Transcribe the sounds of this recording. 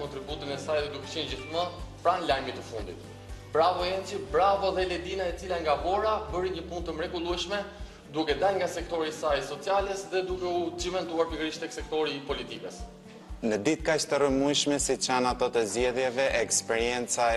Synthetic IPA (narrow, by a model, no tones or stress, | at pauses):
kɔnt̪ɾibut̪inɛsajðɛd̪ukɛ̥t͡ɕɛnd͡ʑiθməpɾanlajmit̪əfund̪ḭt̪ | bɾavɔɛnt͡ʃibɾavɔðɛlɛd̪inaɛt͡silaŋɡavɔɾabəɾiɲəpund̪t̪əmɾɛɡulˠuɛʃmɛ | d̪ukɛd̪alŋɡasɛk̚t̪ɔɾisajsɔt͡sjalɛsðɛd̪ukɛut͡ʃimɛnt̪uaɾpiɡəɾiʃt̪ɛksɛk̚t̪ɔɾiːpɔlit̪ikɛs | nəd̪it̪kat͡ʃt̪ərəmujʃmɛsit͡ʃanat̪ɔt̪əzd͡ʑɛðjɛvɛɛkspɛɾijɛnt͡sa